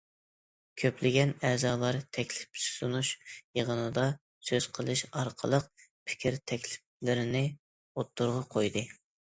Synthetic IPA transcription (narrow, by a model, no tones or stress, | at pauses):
kʲʰøplɪɡʲɛnɛːzɑːlˠɑɾt̪ʰɛkʲlɪ̥psunuʃjeʁənɨd̪ɑ | søz̥qʰəlˠɨʃɑɾqʰə̰lˠəq̚pʰɪ̥kʲʰiɾt̪ʰɛkʲlɪ̥flɪɾɪnɪ | ot̪ːuɾʁɑqʰojd̪ɨ